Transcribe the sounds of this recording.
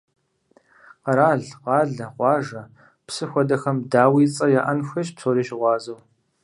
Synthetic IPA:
qɐɾaːɮqɑːɮɐqʷɑːʒɐ | psɨxʷɔdɐxɐmdaːwiːt͡sʼɐjaːʔɐnxʷɐʃpt͡sʰoːɾiːʃɪʁʷɑːzɐw

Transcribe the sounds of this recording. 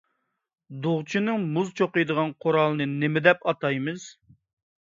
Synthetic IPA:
d̪ʊʁt͡ʃʰinɨŋmuzt͡ʃʰoqɨjd̪əʁɑnqʰoɾɑlˠɨnɨnɪmɪd̪ɛpɑt̪ɑjmɨz

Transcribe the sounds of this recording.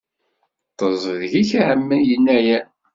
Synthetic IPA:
t̪ˤəzˤəðʝiçʕəmːəjənːæjæ

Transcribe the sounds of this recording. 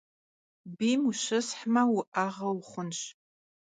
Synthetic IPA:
bimuʃɨsħmawuʔaʁɐwχʷʊnʃ

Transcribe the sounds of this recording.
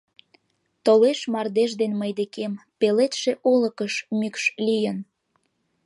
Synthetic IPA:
t̪oleʃmɑrd̪eʒd̪enməjd̪ekempelet̪ʃeʔoləkəʃmykʃlijən

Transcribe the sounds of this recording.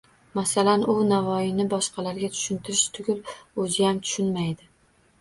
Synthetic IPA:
masalanʊnavɒjɪnɪbɒʃqɑlaɾɡʲat̪ʰʊ̥ʃʊnt̪ʰɪɾɪʃt̪ʰʊɡʲʊlɵzɪjamt̪ʰʊ̥ʃʊnmajd̪ɪ

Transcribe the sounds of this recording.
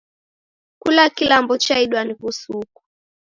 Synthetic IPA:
kulakilambɔt͡ʃaiɗwanikusuku̥

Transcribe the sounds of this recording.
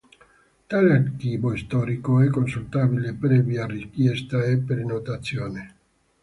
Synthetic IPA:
t̪aleaɾkiboist̪ɔɾikoɛkonsult̪aβilepɾɛbjarikjɛst̪aepɾenot̪at̪sjoːne

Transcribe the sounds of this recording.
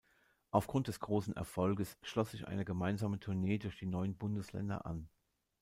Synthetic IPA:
ʔaʊfɡ̥ʁʊnt̚d̥ɛsɡ̥ʁoːsn̩ʔɛ̰ɐfɔlɡəsʃlɔsz̥ɪçʔa̰ɪnəɡəmaɪnzaːmətʰʊɐneːdʊɐçd̥iːnɔʏənbʊndəslɛ̰ndɐ̰ʔa̰n

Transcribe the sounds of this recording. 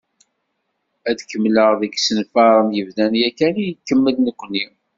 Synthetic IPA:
æðkəmːləʁðəksənfɑɾˤənjəvðænjækænijkːəmːəlnəkʷːni

